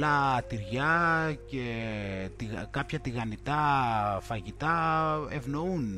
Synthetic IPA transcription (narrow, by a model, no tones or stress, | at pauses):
lɐt̪iɾʝɐcet̪iɣkapçɐt̪iɣɐnit̪ɐfɐʝit̪ɐevnoun